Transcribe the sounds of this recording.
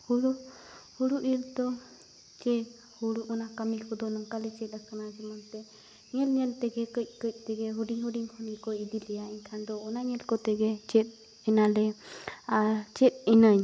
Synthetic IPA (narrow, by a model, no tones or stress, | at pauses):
huɾu | huɽuʔiɾd̪ɔ | t͡ʃɛ | huɽuʔɔnakamikʰɔd̪ɔnɔŋkalɛt͡ʃɛt̪̚akanad͡ʒɛmɔnt̪ɛ | ŋɛlɲɛlt̪ɛɡɛkəc̚ˀkəc̚ˀt̪ɛɡɛɦuɖiŋhuɖiŋhʰɔnikɔid̪ilɛjaɛɲkʰand̪ɔːnaɲɛlkɔt̪ɛɡɛt͡ʃɛt̪̚ | ɛnalɛaɾt͡ʃɛt̪̚inəɲ